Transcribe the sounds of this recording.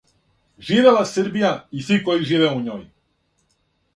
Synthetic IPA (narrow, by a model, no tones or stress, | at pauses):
ʒiːʋelasɨɾbijaisʋiko̞jiʒiːʋeuɲoːj